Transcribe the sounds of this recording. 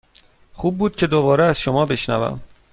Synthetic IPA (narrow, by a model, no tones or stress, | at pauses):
χuːb̚ːuːd̪̥̚cʰe̞d̪obɒːɾeæz̥ʃomɒːbe̞ʃnæ̰væ̰m